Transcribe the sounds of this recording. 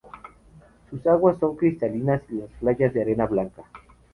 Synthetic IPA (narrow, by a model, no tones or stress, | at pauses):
susaɣwasːo̞ŋkɾist̪alinasilasflaʝazðeaɾenaβlaŋka